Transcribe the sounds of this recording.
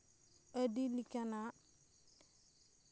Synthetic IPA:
ədilikana

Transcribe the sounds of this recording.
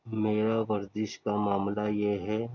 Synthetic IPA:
meːɾaʋɐɾd̪ɪʃkamaːmlajeɦɛ

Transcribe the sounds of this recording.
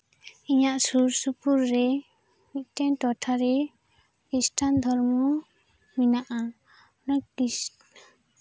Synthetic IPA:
iɲaʔsuɾsupuɾːɛ | mit̪̚ˀtɛnʈɔʈʰaɾɛ | kisʈʰand̪ʱɔɾmɔ | minaʔa | naki

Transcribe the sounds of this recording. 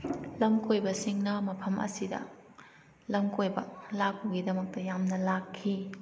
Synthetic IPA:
lɐmkʰojbɐsiŋnɐmɐpʰɐmʔɐ̰sidɐ̰ | lɐŋkojbɐlak̚ːuɡidɐmɐk̚tɐjamnɐlakʰːi

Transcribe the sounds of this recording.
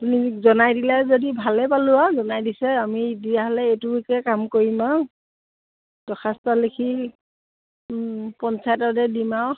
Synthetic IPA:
apunizɔnajdilɛzodibʱalɛpalʊazɔnajdisɛamiːdijaɦɔlɛetuikɛkamkoɹima | d̥ɔxʰastɔlekʰi | pɔnsajtɔdɛdimaw

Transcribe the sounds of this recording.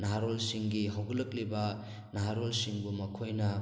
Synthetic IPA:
naɦaɾolsiŋɡiɦawɡɐlɐk̚libɐ | naɦaɾolsiŋbumɐkʰojnɐ

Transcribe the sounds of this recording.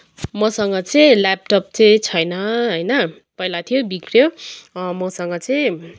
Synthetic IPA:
mʌsʌŋɡʌt͡sʌjlap̚ʈʌp̚t͡sʌjt͡sʰʌjnʌɦʌjnʌ | pʌjlat̪ʰijobikrjomʌsʌŋɡʌt͡sʌj̃

